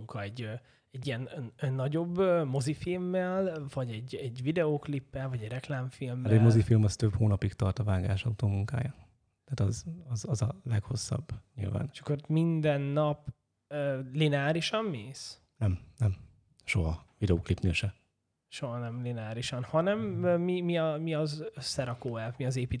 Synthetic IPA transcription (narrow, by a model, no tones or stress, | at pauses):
uŋkʰɒɛɟø | ɛɟːijɛnnːɒɟo̞bːømo̞zifilmːɛlvɒɟɛɟɛɟvid̪ɛoːklipːɛlvɒɟɛɟrɛklaːɱfilmːɛmo̞zifilmɒst̪ø̞phoːnɒpikt̪ɒrt̪ɒvaːɡaːʃɒut̪oːmuŋka̰ːja | t̪aːt̪ɒzɒzɒzɒlɛkho̞sːɒ̰bːɲḭlva̰ːnʃɒ̥kːormind̪ɛnːɒp | øːlinɛaːɾiʃɒnːeːs | nɛmnɛm | ʃo̞ɦɒvid̪ɛoːklipneːʃɛ | ʃo̞ɦɒnɛmlinɛaːɾiʃɒnhɒnɛmøːimiɒmiɒsɛɾɒkoːɛlvmiɒzeːpiː